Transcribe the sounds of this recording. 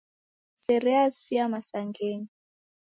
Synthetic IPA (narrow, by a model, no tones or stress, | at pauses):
sɛɾɛasiamasaŋɡeːni